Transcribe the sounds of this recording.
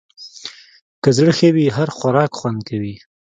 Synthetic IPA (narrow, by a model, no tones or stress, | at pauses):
kəzɽəxəwiɦaɾxaɾɑkxwand̪̚kawi